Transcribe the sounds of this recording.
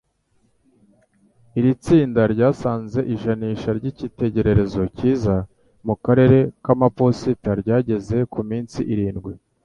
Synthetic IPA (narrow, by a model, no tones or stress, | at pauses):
iɾit͡siːndaɾɟaːsaːnze̞ʔiʒaniːʃaɾɟicite̞ɟe̞ɾe̞ɾe̞zo̞ciːza | mukaɾe̞ɾe̞kamapo̞sitaɾɟaːɟe̞ze̞kumiːnsiʔiɾiːnɡwi